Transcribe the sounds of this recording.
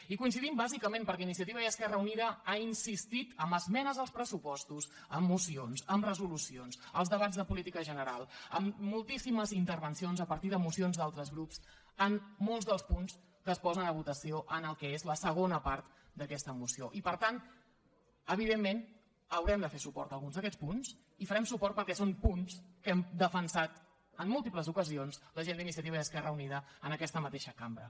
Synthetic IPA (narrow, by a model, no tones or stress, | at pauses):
ikuins̬iðimbazikəmẽmpəɾkɛinisiət̪iβəiəskɛrəuniðəainsist̪it̪əmbəzmɛnəzəlˠspɾəsupɔst̪us | əmːusionsəmrəzulusionsəlˠzðəβ̞azðəpulit̪ikəʒənəɾalˠəmːulˠt̪isiməzint̪əɾβənsionzəpəɾt̪iðəmusionzðalˠt̪ɾəzɣɾups | əmːolˠzðəlˠspuns | kəːspɔzənləβ̞ut̪əsioʔənəlˠkɛezləsəɣ̞onəpaɾt̪ | d̪əkɛst̪əmusioʔipəɾt̪an | əβ̞iðemːen | əwɾɛmd̪əfesupɔ̰ɾt̪əlˠɣunzðəkɛt͡sspuns | ifəɾɛmsupɔrt̪̚pəɾkɛsonpunskɛmd̪əfənsat̪ | əmːulˠt̪ipləzukəzionsləʒend̪inisiət̪iβəðəskɛrəuniðəənəkɛst̪əmət̪eʃəkambɾə̰